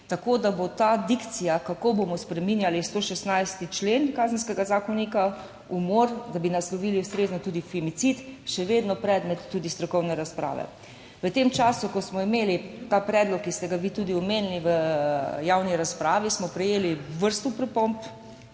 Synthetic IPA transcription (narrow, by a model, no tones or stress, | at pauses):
t̪akod̪abot̪aːd̪ikt̪sijakakobomɔspɾɛminjalist̪oːʃɛst̪najst̪it͡ʃleːnkaːzənskɛɡazaːkɔnika | umɔɾd̪abinaslɔʋiːliust̪ɾeːznɔt̪uːd̪ifimit̪sit̪ʃɛʋeːd̪nɔpɾɛd̪mɛt̪ːuːd̪ist̪ɾɔkɔwnɛɾaspɾa̰ːʋɛ̰ | ʋət̪emt͡ʃaːsukɔsmɔimeːlit̪aːpɾɛːd̪lɔkːist̪ɛɡaʋit̪uːd̪iɔmeːniliʋəjawniɾaspɾaːʋismɔpɾɛjeːliʋəɾst̪upɾɛpomp